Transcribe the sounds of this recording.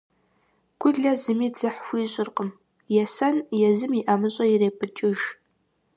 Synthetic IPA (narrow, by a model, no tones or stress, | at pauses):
ɡ̥ʷʊɮɐzɨmiːzɨħfʷiːɕʼɪrqʼəm | jɛsɐnjɛzɨmiʔɐmɨɕʼɐjireːpʰɨt͡ʃʼɪʒ